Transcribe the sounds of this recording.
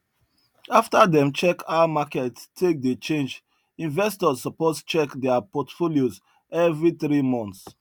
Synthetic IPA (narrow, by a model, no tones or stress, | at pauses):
aftadɛ̃mt͡ʃɛkʰamakɛttʰːek̚det͡ʃẽnd͡ʒ | ĩnvɛstɔzsɔpost͡ʃɛkdɛapɔtfolioz | ɛvɹiθɹimɔ̃nt̪s